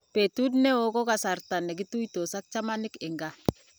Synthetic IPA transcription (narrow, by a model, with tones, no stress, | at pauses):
pe˨tu˦dnɛ˦o˦kɔ˦ka˨sa˨ɾta˨nɛ˨ɡ̬i˦tu˦jto˨sa˦k̚t͡ʃa˦ma˦nɪ˦kɪ˨ŋɡa˨